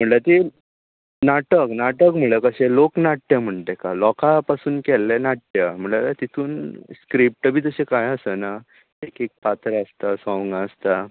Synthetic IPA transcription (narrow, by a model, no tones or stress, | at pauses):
m̤əɳlət̪e | naʈəknaʈəkm̤ələkəɕeloknaʈːjəm̤əɳt̪ekalɔkapasuːnkɛlːenaʈːjəm̤əɳlalat̪it̪ʰuːnskɾip̚ʈəbʱiːt̪əɕekajəsəna | ekek̚pat̪əɾəst̪asɔ̃ʋŋɡast̪a